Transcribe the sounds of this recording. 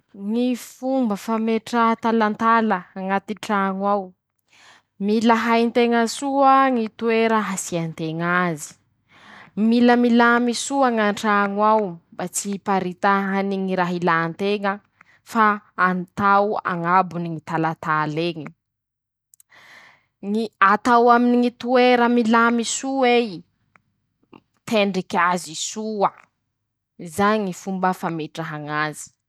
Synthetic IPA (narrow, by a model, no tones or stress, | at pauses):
ŋifumbəfameʈ͡ʂat̪alant̪aləaŋat̪iʈ͡ʂaŋwaw | milaɦajnt̪eŋəsuəŋit̪ueɾəɦasiant̪eŋazi̥ | miləmilamisuaŋaɳʈ͡ʂaŋwawmbat͡sipaɾit̪aɦaniŋiɾaɦilant̪eŋə | faːnt̪awa̰ŋabuniŋit̪alat̪aleŋi | ŋiat̪awaminiŋit̪ueɾəmilamisuej | t̪eɳɖ͡ʐikʲazisuə | izaɲifumbəfameʈ͡ʂaɦaŋazi̥